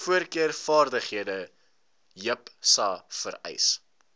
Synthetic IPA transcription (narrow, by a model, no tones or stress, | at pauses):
fuərkiərfɑːrdəχɦiədə | jəpsɐfəɾɛ̰js